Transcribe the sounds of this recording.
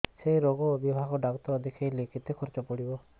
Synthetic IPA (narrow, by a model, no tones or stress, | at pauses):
sejɾoɡɔbibʱaɡɔɖakɔt̪ɔɾɔd̪ʱikʰajlekʰit̪ekʰɔɾt͡ʃɔpɔɽibɔ